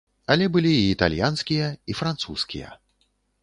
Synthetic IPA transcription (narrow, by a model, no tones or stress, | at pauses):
alʲɛbɨlʲiːt̪a̰lʲjanskʲijɐifɾant̪suskʲḭjɐ̰